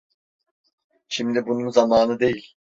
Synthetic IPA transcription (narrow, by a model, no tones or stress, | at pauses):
ʃimd̪ibununzamaːnɯd̪e̞jilʲ